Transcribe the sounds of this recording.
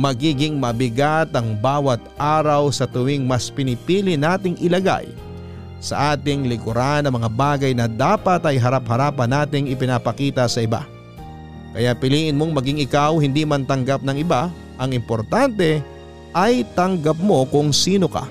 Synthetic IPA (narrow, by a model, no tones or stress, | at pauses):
mɐɡiːɡɪŋmɐbɪɡat̪ɐŋbaːwɐt̪̚ʔaːɾɐwsɐt̪ʊwɪŋmɐspɪnɪpiːlɪnaːt̪ɪŋʔɪlɐɡa̰j | sɐ̰ʔaːt̪ɪŋlɪkʊɾanːɐmɐŋabaːɡɐjnɐd̪aːpɐt̪ɐjɦɐɾaphɐɾaːpɐnaːt̪ɪŋɪpɪnapɐkiːt̪ɐsɐʔɪba̰ | kɐjaʔpɪliːʔɪnmoŋmɐɡɪŋɪkawhɪnd̪iːmɐnt̪ɐŋɡap̚nɐŋɪba | ʔɐŋɪmpoɾt̪ant̪ɛ | ʔɐjt̪ɐŋɡɐp̚mo̞kʊŋsiːno̞ka̰